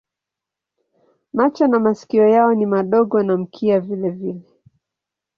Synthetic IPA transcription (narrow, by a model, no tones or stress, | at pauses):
mat͡ʃanamasi̥kiɔjaɔnimaɗɔɠɔnam̩kʰiavilɛvilɛ